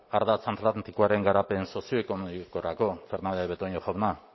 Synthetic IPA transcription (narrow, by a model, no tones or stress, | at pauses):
aɾðat͡sant̪lat̪nt̪ikoaɾe̞ŋɡaɾape̞nso̞sioekonoiko̞ɾako̞fe̞ɾnand̪eβet̪oɲoxoβna